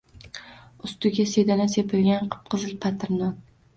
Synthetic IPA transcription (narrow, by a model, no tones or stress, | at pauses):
ʊst̪ʊɡʲased̪anasepʰɪlɡʲanqʰɨ̥p̚qʰɨzɪlpʰat̪ʰɪɾnɒn